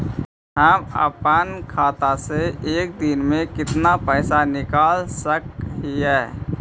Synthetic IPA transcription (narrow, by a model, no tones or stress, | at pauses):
ɦəmə̰pənkʰaːt̪aseeːk̚d̪ɪnmẽkɪt̪napəɪsanɪkaːlsəkɦiɦɛː